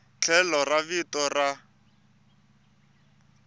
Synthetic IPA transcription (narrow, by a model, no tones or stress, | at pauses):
t͡ɬʰɛlɔravitɔra